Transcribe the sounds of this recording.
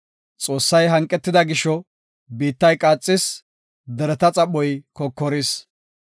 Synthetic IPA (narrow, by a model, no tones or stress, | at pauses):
t͡sʼo̞ːsːɐjɦɐŋkʼɛt̪ːɪd̪ɐɡɪʃɔ | biːt̪ːɐjkʼaːt͡sʼːɪs | d̪ɛɾɛt̪ɐt͡sʼɐɓɔjkɔkːɔɾɪs